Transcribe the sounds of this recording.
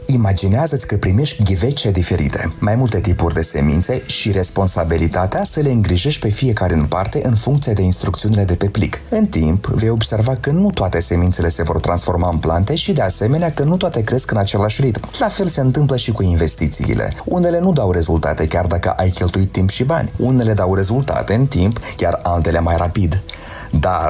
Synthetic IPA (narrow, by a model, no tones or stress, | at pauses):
imad͡ʒineazət̪sʲkəpɾime̞ʃkʲɡʲive̞t͡ʃed̪ife̞ɾḭt̪e̞̰majmult̪e̞t̪ipurʲd̪e̞se̞̰mḭnt̪se̞ʃiɾe̞spo̞nsabilit̪at̪easəle̞ɨŋɡɾiʒe̞ʃt̪ʲpe̞fije̞kaɾeɨnpart̪e̞ʔɨnfuŋk̚t̪siad̪e̞inst̪ɾukt̪siunile̞d̪e̞pe̞plḭkɨnt̪impvejo̞bse̞rvakənut̪oat̪e̞se̞mint̪se̞le̞se̞vo̞̰rt̪ɾansfo̞rmaɨnplant̪e̞ʃid̪e̞ase̞me̞neakənut̪oat̪e̞kɾe̞skɨnat͡ʃe̞laʃʲrit̪mlafe̞lse̞ɨnt̪ɨmpləʃikuinve̞st̪it̪sḭḭlʔḛune̞le̞nud̪awɾe̞zult̪a̰t̪e̞kʲard̪akə̰ʔajkʲe̞lt̪uit̪ːimpʃiba̰nʲune̞le̞d̪awre̞zult̪a̰t̪e̞ɨnt̪impkʲaralt̪e̞le̞majrapid̪ | d̪ar